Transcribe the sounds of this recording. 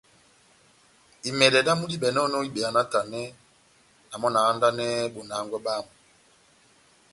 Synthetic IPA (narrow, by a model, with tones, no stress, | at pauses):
i˨mɛ˨dɛ˨da˦mu˦di˦ɓɛ˨n˦ɔ˦nɔ˦i˦ɓɛ˨a˨na˦ta˨nɛ˦ | na˨mɔ˦na˨a˦nda˦nɛ˦bo˨na˨˦ŋɡwɛ˦ɓa˦˨mu˨